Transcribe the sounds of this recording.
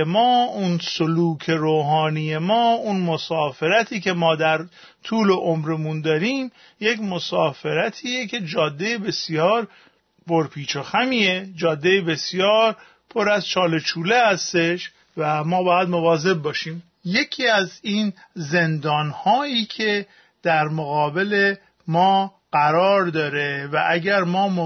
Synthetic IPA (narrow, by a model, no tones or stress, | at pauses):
emɒːunsoluːkʰe̞ɾoːɦɒːniːje̞mɒːunmo̞sɒːfe̞ɾæt̪ʰiːce̞mɒːd̪æɾ | t̪ʰuːleʔomɾemund̪ɒːɾiːm | je̞cmo̞sɒːfeɾæt̪ʰiːjecʰe̞d͡ʒɒːd̪ːejebe̞sjɒːɾ | pʰoɾpʰiːt͡ʃʰoxæmiːjed͡ʒɒːd̪ːejebe̞sjɒːɾ | pʰoɾæzt͡ʃʰɒːlet͡ʃʰuːlehæst̪e̞ʃ | væmɒːbɒːjæd̪movɒːze̞b̚bːɒːʃiːm | je̞cʰiːæziːn | zend̪ɒːnhɒːiːcʰe̞ | d̪̥æɾmoɣɒːbe̞le | mɒː | ɣ̥æɾɒːɾd̪ɒːɾevæʔæɟæɾmɒːmo